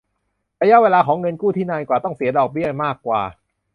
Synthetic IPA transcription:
ɾaː˧ja˦˥ʔweː˧laː˧kʰɔː˩˦ŋɤ˧nkuː˥˩t̪ʰiː˥˩naː˧jkwaː˨˩t̪ɔ˥˩ŋsi˨˩˦ɐdɔː˨˩k̚bi˥˩ɐmaː˥˩kːwa̰ː˨˩

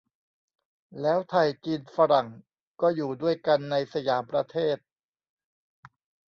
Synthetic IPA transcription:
lɛː˦˥wt̪ʰa˧jki˧nfa˧ɾa˨˩ŋ | kɔː˥˩juː˨˩du˥˩əjka˧nːa˧jsa˧jaː˩˦mpɾa˧t̪ʰeː˥˩t̪̚

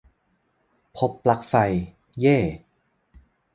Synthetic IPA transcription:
pʰo˨˦˥pːla˨˩k̚fa˧j | jeː˥˩

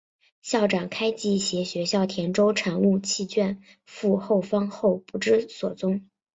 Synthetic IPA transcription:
ɕjɑ˥˩ʊʈ͡ʂɑ˨˩ŋkʰa˥ɪt͡ɕi˧˥ɕjɛ˧˥ɕɥɛ˧˥ɕjɑ˥˩ʊt̪ʰjɛ˧˥nʈ͡ʂo˥ʊʈ͡ʂʰɑ˨˩ŋlu˥˧t͡ɕʰi˥˧t͡ɕɥɛ˥˧n | fu˥˧xo˥˩ʊfɑ˥ŋxo˥˩ʊpu˧˩ʈ͡ʂɻ̩˥swɔ˨˩t͡sʊ˥ŋ

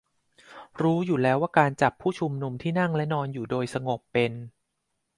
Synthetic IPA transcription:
ɾuː˦˥juː˨˩lɛː˦˥waː˥˩kaː˧nt͡ɕa˨˩pʰːuː˥˩t͡ɕʰu˧mnu˧mt̪ʰiː˥˩na˥˩ŋlɛ˦˥nɔː˧njuː˨˩doː˧jsa˧ŋo˨˩k̚pe˧n

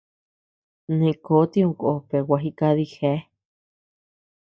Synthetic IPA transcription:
nĩ˧ko˦t̪iũ˧kʔope˨waɦi˧kaði˧he˧˦

